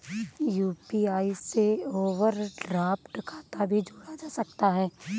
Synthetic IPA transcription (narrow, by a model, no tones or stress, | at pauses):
juːpiaːiseoːʋəɾɖɾaːpʈəkʰaːt̪abʱid͡ʒʱoːɽad͡ʒaːsɐkt̪aɦɛː